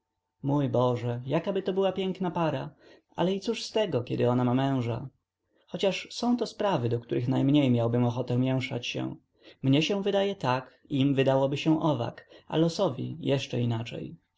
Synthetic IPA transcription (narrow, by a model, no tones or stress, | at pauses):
mujbɔʐɛjakabɘt̪ɔbɘwapʲjɛŋknapaɾa | ʔa̰lɛit̪suʂst̪ɛɡɔkʲɛd̪ɘɔnamamɛ̃w̃ʐa̰ | xɔt͡ɕaʂsɔ̃w̃t̪ɔspɾavɘd̪ɔkt̪uɾʔɘxnajmɲejmʲjawbɘmɔxɔt̪ɛ̃mʲjɛw̃ʂa̰t͡ɕɕɛ̰̃ | mɲɛɕɛ̃vɘd̪ajɛt̪ak | imvɘd̪awɔbɘɕɛ̃ʔɔva̰ka̰lɔsɔvʲḭjɛʂt͡ʂɛ̰inat͡ʂɛ̰j